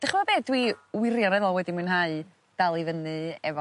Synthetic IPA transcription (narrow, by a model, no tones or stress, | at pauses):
d̥aχəmabeːdwiwɪrjɔnɛvɔlˠwɛdimɨnɦaɨ | d̥alˠivənɨɛ̰vɔ